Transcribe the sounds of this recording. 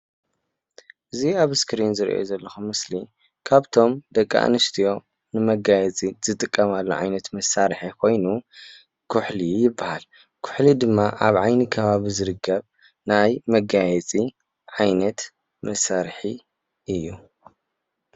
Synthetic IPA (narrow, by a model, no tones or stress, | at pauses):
ʔɨziaβskʰɾinzɨɾ̰ʔjo̰zɐlːɐxumɨsli | kʰaβt̪ʰo̞md̪ɐkʼːa̰ʔnɨst̪ʰijo̞ | nɨmɐɡajɛt͡sʼiz̥ɨt̪ʼɨkʼːɐmalːo̰ʕa̰jnɐt̪mɐsːaɾħikʰo̞jnu | kʰʊħlijɪbːahal | kʰʊ̥ħlid̪ɨmːaʔaβʕajnikʰɐβaβizɨɾɨkʰːɐβ | najmɐɡajɛt͡sʼi | ʕajnɐt̪ | mɐsːaɾħi | ʔɨjːu